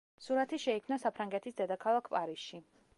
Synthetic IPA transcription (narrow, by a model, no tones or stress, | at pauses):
suɾat̪ʰiʃɛikʰmnasapʰɾaŋɡɛt̪ʰisd̪ɛd̪akʰalˠakʰpʼaɾisʃi